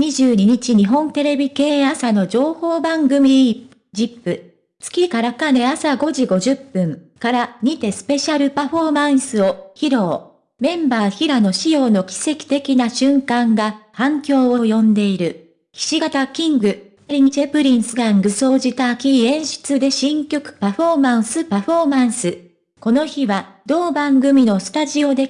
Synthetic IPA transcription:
ɲ̟iʑɨːɲ̟iɲ̟it͡ɕiɲ̟iɦõ̞nt̪e̞ɾe̞bʲike̞ːasano̞d͡ʑo̞ːho̞ːbãŋɡɯ̟mʲi | d͡ʑipːɯ̟ | t͡sɨ̥kʲikaɾakane̞asaɡo̞ʑiɡo̞ʑɨpːɯ̃ŋkaɾaɲ̟it̪e̞sɨ̥pe̞ɕaɾɯ̟paɸo̞mãɰ̃sɨo̞çiɾo̞ː | mẽ̞mbaːçiɾano̞ɕijo̞ːno̞kʲi̥se̞kʲi̥t̪e̞kʲinaɕɨ̃ŋkãŋɡahãŋkʲo̞ːojõ̞nd̪e̞iɾɯ̟ | çʲi̥ɕiɡat̪akʲĩŋɡɯ̟ | ɾʲiɲ̟it͡ɕepɯ̟ɾʲĩɰsɨɡãŋɡɯ̟so̞ːʑit̪aːkʲiẽ̞ɰ̃ɕi̥t͡sɨd̪e̞ɕĩŋkʲo̞kɯ̟̥paɸo̞mãɰ̃sɨpaɸo̞ːmãɰ̃sɨ | ko̞no̞çiβad̪̥o̞ːbãŋɡɯ̟mʲino̞sɨ̥t̪aʑio̞d̪e̞

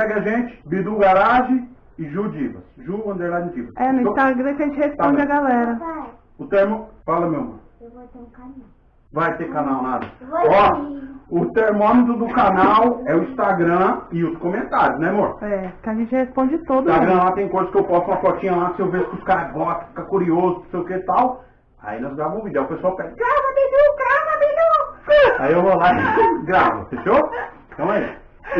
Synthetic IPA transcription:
sɛɡaʒẽt͡ʃɪ̥bid̪uɡaɾaʒɪ | ɪʒud͡ʒivɐsʒuɐ̃nd̪ejladd͡ʒivɐsɛnʊĩst̪aɡɾɐ̃kɪɐʒẽt͡ʃɪhespõd͡ʒaɡalɛɾɐ | ʊt̪eɾmofalɐmewmɐ̰̃ | vaj̪ekanaw | vajt̪ekanawnad̪ɐɔ | ʊt̪eɾmõmɪt̪̬ɾʊd̪ʊkanawɛʊĩst̪aɡɾɐ̃ɪud̪okomẽnt̪aɾjʊsnɛmoɾt̪ɛpkɪaʒẽnt͡ʃɪhespõd͡ʒɪt̪od̪saɡɡɾɐ̃lat̪ẽj̃kojzɐskɪewpɔsuũmɐfɔt͡ʃĩɲɐlasɪewveskɪʊskaɾɐɡɔt̪ɐfi̥kɐkuɾiozʊõsejʊket̪aw | a̰inɔ̃zɡɾavɐ̃ʊ̃vid̪ewpesuawpɛɡɾavɐmenukɡɾavɐbenukaiewvolaiɡɾavɐ̰feʃoɾ | t̪ɐ̃w̃ɐ

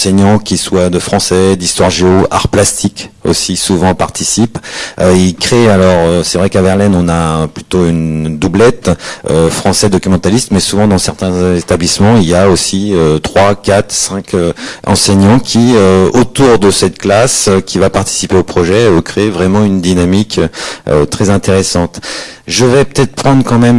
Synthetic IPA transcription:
sɛɲɑ̃kʲiswad̪əfχɑ̃sɛd̪ist̪waʁʒeoʔa̰ʁplast̪ʰiko̰sisuvɑ̃paʁt̪ʰisipøilkχealɔʁøsɛvʁɛkavɛʁlɛnɔ̃naplyt̪oynd̪ublɛt̪øfχɑ̃sɛd̪ɔkʲymɑ̃t̪alist̪mɛsuvɑ̃d̪ɑ̃sɛʁt̪ɛ̃et̪ablismɑ̃iljaosiøt̪χwakat̪χsɛ̃kʲʰøɑ̰̃sɛɲɑ̃kʲʰiøot̪uʁd̪əsɛt̪klasøkʲivapaʁt̪i̥sipeopχɔʒɛøkχevʁɛmɑ̃ynd̪inamikøø̰t̪χɛzɛ̃t̪eʁesɑ̃t̪ʒəvɛpə̥t̪ɛt̪χpχɑ̃d̪ʁkɑ̃mɛm

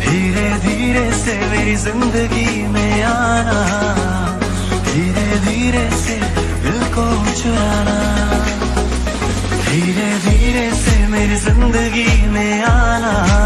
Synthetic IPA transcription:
d̪ʱiːɾed̪ʱiɾesemeːɾizɪnd̪əɣi | meaːna | d̪ʱiːɾed̪ʱiɾese | ekoː | t͡ʃɐɾaːna | d̪ʱiɾed̪ʱiɾesemeːɾizɪnd̪əɣime | ana

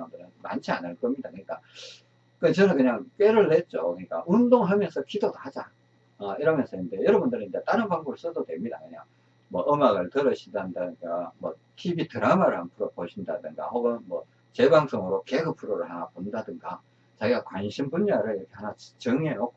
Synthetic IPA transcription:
ɯndɯɾɯnma̰nt͡ɕʰia̰nɯɭk͈ʌmɲidakɯɲik͈a | kɯt͡ɕʌnɯnkɯɲaŋk͈we̞ɾɯɭːet̚t͡ɕ͈okɯɲik͈a̰ʔundoŋɦamjʌnsʰʌkidodohad͡ʑa̰ | ʌiɾʌmjʌnsʰʌindejʌɾʌbundɯɾnid͡ʑet͈aɾɯnpaŋboɡɯɭs͈ɯdodwe̞mɲidakɯɲaŋ | mʌʔɯmaɡɯɭtɯɾʌɕʰindandadɯnɡamwʌ | tʰibitɯɾamaɾɯɭhanpʰuɾopoɕʰindadɯŋɡa̰hoɡɯnmwʌ | t͡ɕe̞baŋs͈ʰoŋɯɾoke̞ɡɯpʰuɾoɾɯɭhanapondadɯŋɡa | t͡ɕaɡiɡakwanɕʰimpuɲːaɾɯɭiɾʌkʰe̞hanat͡ɕɯŋenok̚k͈o

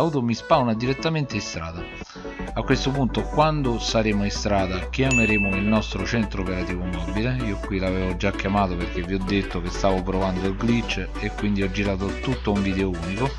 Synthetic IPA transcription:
aut̪omispawnad̪iɾet̪ːament̪eist̪ɾa̰ːd̪a | akːwest̪opunt̪okwand̪osaɾeːmoist̪ɾaːd̪ak̟jameɾeːmoilnɔst̪ɾot͡ʃɛnt̪ɾopeɾat̪iːvomɔbileiːokwilaveːvod͡ʒːakːjamaːt̪opeɾk̟evːiɔd̪ːet̪ːok̟est̪aːvopɾovand̪oilɡlit͡ʃː | ekwind̪iɔd͡ʒːiɾaːt̪̬ot̪ut̪ːouɱviːd̪eouːniko

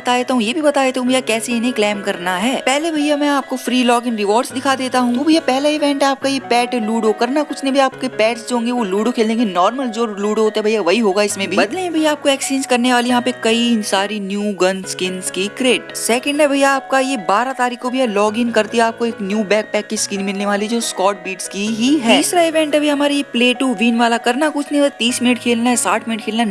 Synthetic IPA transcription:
bɐt̪aːd̪eːt̪aɦũjeːbʱibɐt̪aːd̪eːt̪aɦũbʱjakɛːseɪnẽklɛːmkɐɾnaɦɛːpɛɦlebʱɐjamɛ̃aːp̚kofɾiːlɔːɡɪnɾɪʋɔːɾɖsd̪ɪkʰad̪eːt̪aɦũoːbʱɐijapɛɦlaɪʋɛ̃ːɳʈɦɛaːp̚kajepɛːʈluːɖokɐɾnakʊt͡ʃʰnẽbʱiaːp̚kepɛːʈsd͡ʒoɦõːŋɡeʋoluːɖokʰeːld̪ẽŋɡenɔːɾməld͡ʒoːluːʈoɦoːt̪eɦɛbʱɐjaʋɐɦiɦoːɡaɪsmẽbʱibɐd̪lẽẽbʱɐijaaːp̚koɛːksĩːnzkɐɾneʋaːlijɐɦãpekɐisaːɾinjuːɡɐnskɪnskikɾeːʈsɛːkə̃ɳɖɦɛbʱɐijaːp̚kajebaːɾat̪aːɾiːkːobʱialɔːɡɪnkɐɾt̪iɦɛaːp̚koeːknjuːbɛːk̚pɛːkːiskiːnmɪlneʋaːlid͡ʒoːskɔːʈ̚biːʈskiɦitɦɛiːsɾaɪʋẽɳʈɐbʱiɦɐmaːɾejepleːʈuʋiːnʋaːlakɐɾnakʊt͡ʃʰnet̪iːsmɪnəʈkʰeːlnaɦɛsaːʈʰmɪnəʈkʰeːlna

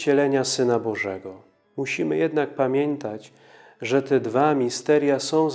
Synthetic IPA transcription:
d͡ʑɛlɛɲasɘnabɔʐɛ̰ɡɔ | muɕimɘ̰jɛd̪nak̚pamʲjɛnt̪at͡ɕ | ʐɛt̪ɛd̪vamʲist̪ɛɾjasɔ̃w̃z

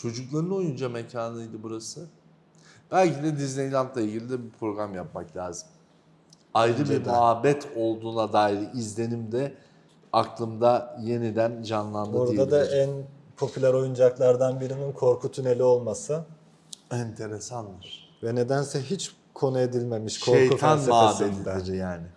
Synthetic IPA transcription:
t͡ʃʰo̞d͡ʒuklˠaɾɯno̞jund͡ʒamecʰaːnɯjd̪ɯbuɾasɯ | b̥ælʲcʰid̪ɛd̪iznʲejlʲat̪lˠailʲɟilʲid̪ɛbipʰɾo̞ɡɾamjap̚maklʲaːzɯm | ajɾɯbiɾmuɦabːɛt̪ʰo̞lˠd̪uːnad̪aːiɾɯizlʲe̞nimd̪ɛ | aklˠɯmd̪aje̞nid̪ænd͡ʒanlˠand̪aoɾed̪ad̪aʔænpʰo̞pʰylʲæɾo̞jund͡ʒaklˠaɾd̪anbiɾininkʰo̞ɾkʰut̪ʰyne̞lʲio̞lˠmasɯ | ɛnt̪ʰe̞ɾe̞sand̪ɯɾ̥ | vɛne̞d̪ænsɛɦit͡ʃ | kʰo̞nue̞d̪ilʲme̞miʃkʰʃoejt̪ʰanmmaɦab̪et̪ʰid̪iɾijaːnɪ

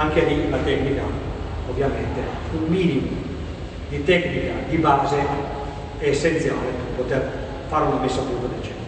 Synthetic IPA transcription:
aŋkelilat̪ɛknikaovːjament̪ea | ummiːnimu | d̪it̪ɛknikad̪ibaːze | sːent̪sjaːleperpot̪er | faɾunamesːat̪ut̪od̪et͡ʃɛ

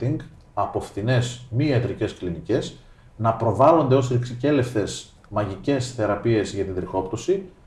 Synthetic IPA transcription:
iŋɡ | ɐpo̞fθine̞smiet̪ɾice̞sklinice̞z | nɐpɾo̞vɐlo̞nd̪e̞osɾiksice̞le̞fθe̞s | mɐʝice̞sθe̞ɾɐpie̞zʝɐt̪ind̪ɾixo̞pt̪osi

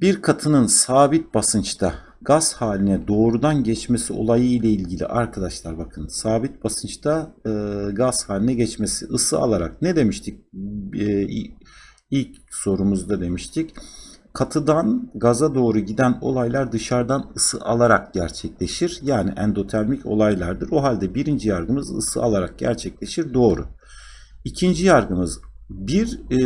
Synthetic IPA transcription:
biɾkʰat̪ʰɯnɯnsaːbit̪̚basɯnt͡ʃt̪ʰa | ɡaz̥haːlʲinɛd̪o̞ːɾud̪anɟɛt͡ʃme̞sio̞̰lˠajɯilʲailʲɟilʲḭʔaɾkʰad̪aʃlˠaɾbakʰɯnsaːbit̪̚basɯnt͡ʃt̪ʰa | ɡazhaːlʲinɛɟɛt͡ʃme̞siʔɯsɯa̰lˠaɾa̰k̚nɛd̪e̞miʃt̪ʰic̚ː | ilʲcso̞ɾumuzd̪ad̪e̞miʃt̪ʰickʰat̪ʰɯd̪anɡazad̪o̞ːɾuɟid̪æno̞̰lˠajlˠaɾd̪ɯʃaɾd̪anɯsɯ̰ʔalˠaɾak̚ɟæɾt͡ʃʰɛclʲe̞ʃiɾjaːnḭʔɛ̰nd̪o̞t̪ʰæɾmicʰo̞̰lˠajlˠaɾd̪ɯɾo̞ɦalʲd̪ɛbiɾind͡ʒijaɾɡɯmɯzɯ̰sɯ̰a̰lˠaɾak̚ɟ̥æ̰ɾt͡ʃʰɛclʲe̞ʃiɾd̪o̞ːɾʊ̰ | icʰind͡ʒijaɾɡɯmɯzbiɾ

